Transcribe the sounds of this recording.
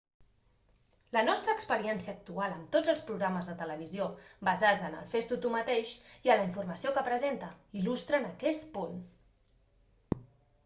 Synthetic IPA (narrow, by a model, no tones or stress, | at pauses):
lənɔst̪ɾəːkspəɾiɛnsiəːk̚t̪ualˠəmt̪od͡zəlˠspɾuɣɾaməzðət̪ələβiziobəzad͡zənə̰lˠfest̪ut̪umət̪eʃiələiɱfurməsiokəpɾəzent̪əilust̪ɾənəkɛspun